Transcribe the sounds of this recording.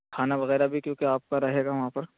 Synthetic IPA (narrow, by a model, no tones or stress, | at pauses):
kʰaːnaʋɐɣɛːɾabʱikjõːkeaːp̚kaɾɐɦeːɡaʋɐɦãpɐɾ